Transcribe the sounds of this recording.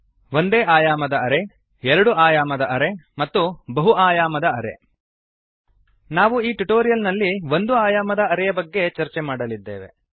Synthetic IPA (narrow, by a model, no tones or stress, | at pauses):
ʋo̞nd̪eːʔaːjaːmɐd̪ɐɐɾe̞ | ɛɾɐɽuaːjaːmɐd̪ɐʔɐɾe̞mɐt̪ːubɐɦuaːjaːmɐd̪ɐɐɾe̞̰ | naːʋuiːʈuʈoːɾijɐlnɐlːiʋo̞nd̪uaːjaːmɐd̪ɐːɾɛjɐbɐɡːe̞t͡ʃɐɾt͡ʃemaːɽɐlid̪ːḛːʋe̞̰